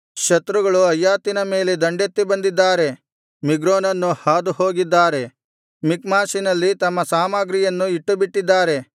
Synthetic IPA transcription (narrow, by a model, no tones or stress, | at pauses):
ʃɐt̪ɾuɡɐɭuɐjːaːt̪inɐme̞ːle̞d̪ɐɳɖet̪ːibɐnd̪id̪ːaːɾe̞ | miɡɾoːnɐnːuhaːd̪uho̞ːɡid̪ːaːɾe̞ | mikmaːsinɐlːit̪ɐmːɐsaːmaɡɾijɐnːuiʈːubiʈːid̪ːaːɾe̞